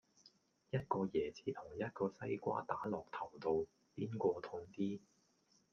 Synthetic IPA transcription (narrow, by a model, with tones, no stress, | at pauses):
jɐ˥t̚kɔː˧jɛː˨˩t͡sʰiː˨˧t̪ʰʊ˨˩ŋjɐ˥t̚kɔː˧sɐ˥jkʷa̰ː˥t̪aː˨˥lɔː˨k̚t̪ʰɐ˨˩wt̪o˨˧w | piː˥nkʷɔː˧t̪ʰʊ˧ŋt̪iː˥